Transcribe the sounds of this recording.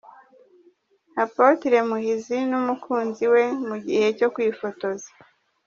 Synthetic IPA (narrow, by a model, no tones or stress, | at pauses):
hapotiɾe̞muhizinumukʰuːnziwe̞muɟihe̞co̞kwiːfo̞to̞zḁ